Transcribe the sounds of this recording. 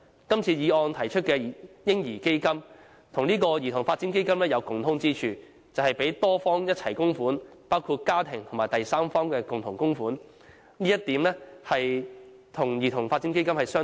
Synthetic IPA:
kɐ˥mt͡sʰiː˧jiː˨˧ɔː˧nt̪ʰɐ˨˩jt͡ʃʰɵ˥t̚kɛ˧˨jɪ˥ŋjiː˨˩ke˥jkɐ˥m | t̪ʰʊ˨˩ŋniː˥kɔː˧jiː˨˩t̪ʰʊ˨˩ŋfaː˧t̚t͡siː˨˥nk̬e˥jkɐ˥mlɛː˥jɐ˨˧wkʊ˨ŋt̪ʰʊ˨˥ŋt͡siː˥t͡ʃʰyː˧ | t͡sɐ˨whɐ˨jpe˨˥jt̪ɔː˥fɔː˥ŋjɐ˥t̚t͡sʰɐ˨˩jkʊ˥ŋfuː˨˥n | paː˥wkʰuː˧t̚kaː˥t̪ʰɪ˨˩ŋt̪ʰʊ˨˩maː˨˩jt̪ɐ˨jsaː˥mfɔː˥ŋkɛː˧kʊ˨˩ŋt̪ʰʊ˨˩ŋkʊ˥ŋfuː˨˥n | liː˥jɐ˥t̚t̪iː˨˥mlɛ˥hɐ˨j | t̪ʰʊ˨˩ŋjiː˨˩t̪ʰʊ˨˩ŋfaː˧t͡si˨˥ŋke˥jkɐ˥mhɐ˨jsœː˥

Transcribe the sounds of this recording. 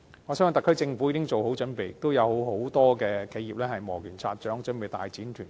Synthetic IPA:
ŋɔː˨˧sœː˥ŋə˨˧˩t̪ɐ˨kʰːɵ˥ɥt͡sɪ˧ŋfu˨˥jiː˨˧˥ɪ˥ŋt͡so˨who˨˥wt͡ʃɵ˨˥npe˨jt̪ːo˥wjɐ˨˧who˨˥wɦo˨˥wt̪ɔː˥kɛː˧kʰe˨˥jiː˨p̚lɛː˥hɐ˨jmɔː˨˩kʰyː˨˩nt͡sʰa̰ː˧t̚t͡ʃœː˨˥ŋt͡ʃnpe˨˩jt̪a̰ː˨jt͡siː˨˥nt̪ʰyː˨˩n

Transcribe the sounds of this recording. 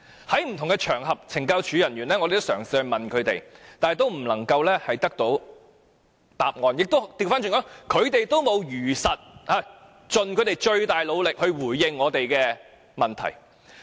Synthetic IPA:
hɐ˨˥jm̩˨˩t̪ʰʊ˨˩ŋɡɛ˧t͡ʃʰœː˨˩ŋɦɐ˨p̚t͡sʰɪ˨˩ŋkaː˧wt͡ʃʰyː˨˧jɐ˨˩nɥyː˨˩nlɛː˥ŋɔ˧te˨t̪sœː˨˩ŋsiː˨˧hɐ˧ɥmɐ˨nkʰɵ˨˧ɥt̪ḛ˨jt̪aː˨nɛ˨jt̪o˥wm̩˨˩lɐ˨˩ŋkɐ˧wlɛː˥hɐ˨jt̪ɐ˥k̚t̪o˨˥w | t̪a̰ː˨p̚ŋɔː˨˧njɪ˨k̚t̪o˥t̪iː˧˨wfaː˥nt͡ʃy˨ŋkɔː˨˥ŋkʰɵ˨˧ɥt̪e˨jt̪o˥wmo˨˧wjyː˨˩sɐ˨t̚haː˨˧ | t͡ʃɵ˨nkʰɵ˨˧˥t̪e˨jt͡ʃɵ˧ɥt̪aː˨jlo˨˧wlɪ˨k̚hɵ˧ɥwuː˨˩jːɪ˨ŋːɔː˨˧t̪e˨jkɛː˧ | mɐ˨˩nt̪ʰɐ̰˨˩j

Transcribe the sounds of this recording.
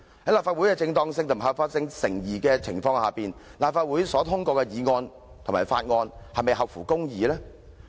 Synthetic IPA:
hɐ˨˥laː˨pfaː˧t̚u˨˥jkɛː˧t͡sɪ˧ŋt̪ɔː˧ŋsɪ˧ŋt̪ʰʊ˨˩m˩ɦɐ˨pfaː˧t̚sɪ˧ŋsɪ˨˩ŋjiː˨˩kɛː˧t͡sʰɪ˨˩ŋfɔː˧ŋhaː˨˩piː˨nlaː˨p̚faː˧t̚wu˨˥jsɔː˨˥t̪ʰʊ˥ŋkʷɔː˧kɛ˧jiː˨˧ŋɔː˧n | t̪ʰʊ˨˩ŋmaː˨˩jfaː˧t̚ŋɔː˧nhɐ˨jme˨˧jɦɐ˨p̚fuː˨˩kʊ˥ŋjiː˨lɛː˥

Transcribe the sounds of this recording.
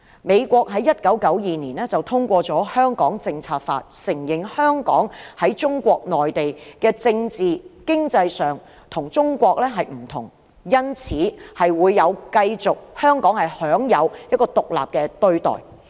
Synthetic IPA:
me˨˧jkʷɔː˧k̚ɦɐ˨˥jɐ˥t̚kɐ˨˥wkɐ˨˥wjiː˨niː˨˩nɛː˥t͡sɐ˨wt̪ʰʊ˥ŋkʷɔː˧t͡sɔː˨˥hœː˥ŋkɔː˨˥ŋt͡sɪ˧ŋt͡sʰaː˧t̚fa̰ː˧t̚sɪ˨˩ŋjɪ˨ŋhœː˥ŋkɔ̰ː˨˥ŋhɐ˨˥jt͡sʊ˥ŋkʷɔː˧k̚nɔː˨˩jt̪e˨jkɛː˧t͡sɪ˧ŋt͡siː˨kɪ˥ŋt͡sɐ˧jsœː˨ŋ | t̪ʰʊ˨˩ŋt͡sʊ˥ŋkʷɔː˧k̚lɛː˥ɦɐ˨jm̩˨˩t̪ʰʊ̰˨˩ŋ | jɐ˥nt͡sʰiː˨˥hɐ˨jwuː˨˧jːɐ˨˧wkɐ˧jt͡sʊ˨k̚hœː˥ŋkɔː˨˥ŋhɐ˨jhœː˨˥ŋjɐ˨˧wjɐ˥t̚kɔː˧t̪ʊ˨k̚la̰ː˨p̚kɛː˧t̪ɵ˧ɥt̪ɔ̰ː˨˩j

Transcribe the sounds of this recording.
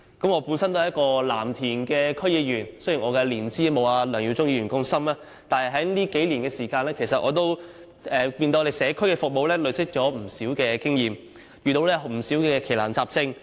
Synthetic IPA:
kɐ˨˥mŋɔː˨˧pu˨˥nsɐ˥nt̪ːɐ˨jɐ˥kɔː˧la̰ː˨˩mt̪ʰiː˨˩nkɛː˧kʰɵ˥jiː˨˧jyː˨˩nso˥ji˨˩ŋɔː˨˧kɛː˧liː˨˩nt͡siː˥mo˨˧waː˧lœː˨˩ŋjiː˧wt͡sʊ˥ŋjiː˧jyː˨˩nkʊ˥ŋsɐ˥maː˧ | t̪aː˨nhɦɐ˨jɦɐ˨˥jliː˥ke˨˥jli˨˩nkɛː˧siː˨˩kaː˧nlɛː˥kʰe˨˩jsɐ˨t̚ʔɔː˨˧t̪o˥w | ɛ˨piː˧no˧e˨jsɛː˨˥kʰɵ˥ɥkɛ˧fʊ˨k̚mo˨˧wlɛː˥lɵ˨˧ɥsɪ˥k̚t͡ʃɔː˨˥m̩˨˩siː˨˥wkɛː˧kɪ˥ŋjiː˨m | jyː˨t̪o˧wlɛː˥m̩˨˩siː˨˥wkɛː˧kʰe˨˩jlaː˨˩nt͡saː˧p̚t͡sɪ˧ŋ

